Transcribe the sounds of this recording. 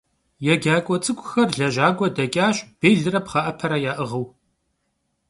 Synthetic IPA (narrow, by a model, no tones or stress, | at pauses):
jɛɡʲaːkʷʼɔt͡sʼɨkʷʼʊxɐrɮɐʒaːɡʷɔdɐkʲʼaːɕʼb̥eːɮɨrɐpχɑʔɐpʰɐɾɐjaːʔɨʁəw